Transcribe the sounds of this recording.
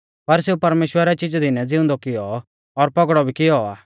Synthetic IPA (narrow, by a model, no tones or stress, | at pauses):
pɐɾseːupɐɾmeːʃwəɾɛt͡ʃɪd͡ʒd̪ɪnɛd͡zɪʊ̃nd̪ɔkɪjɔː | ɾpɐɡɽɔbʱikɪjɔa̰ː